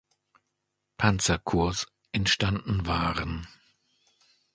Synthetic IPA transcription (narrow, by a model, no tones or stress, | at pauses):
pʰant͡sɐkʰʊɐs | ʔɛntʃtandn̩vaːʁən